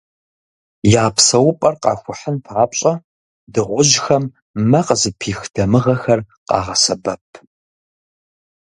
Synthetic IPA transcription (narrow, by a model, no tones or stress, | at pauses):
jaːpʰsɐwʊpʼɐrqɑ̰ːxʷʊħənpʰaːpɕʼɐ | dɨʁʷʊʒxɐmː | ɐqəzɨpʰiːxd̥ɐmɨʁɐxɐr | qɑ̰ːʁɐsɐbɐpʰ